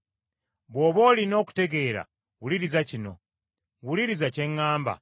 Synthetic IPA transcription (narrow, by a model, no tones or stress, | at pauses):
βo̞ːβo̞ːlino̞ːku̥te̞ɡe̞ːɾa̰ | wuliɾizacino̞̰ | wuliɾizace̞ŋːaːmba̰